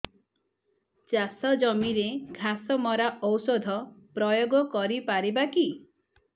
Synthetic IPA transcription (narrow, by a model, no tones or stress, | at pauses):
t͡ʃasɔd͡ʒɔmiɾeɡʱasɔmɔɾaʔɔwsod̪ʱɔpɾɔjoɡɔkɔɾipaɾibaki